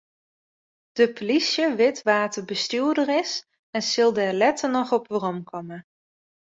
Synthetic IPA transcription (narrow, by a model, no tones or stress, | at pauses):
d̥əpʰolisjəʋɪtʋaːtəɹbəstyːɹdəɾɪs | ɛnsɪlˠdəɛlɛtənɔχɔpʋərɔmkʰɔmə